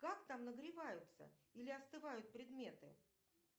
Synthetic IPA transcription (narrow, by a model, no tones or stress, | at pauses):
kakt̪amnəɡɾʲɪvajʊt̪sə̰ilʲɪɐst̪ɨvajʊt̪̚pɾʲɪd̪mʲe̞t̪ɨ